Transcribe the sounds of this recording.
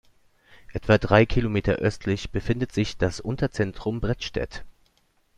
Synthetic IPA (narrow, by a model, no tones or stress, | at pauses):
ʔɛtv̥adʁaɪkʰilomeːtʰɐ̰ʔœstʰlɪçb̥əfɪndətz̥ɪçd̥asʔʊntɐt͡sɛntʁ̥ʊmbʁɛtʃtɛ̰t